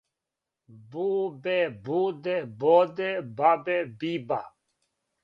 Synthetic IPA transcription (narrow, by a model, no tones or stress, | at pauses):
buːbebuːd̪eboːd̪ebabebiːbaː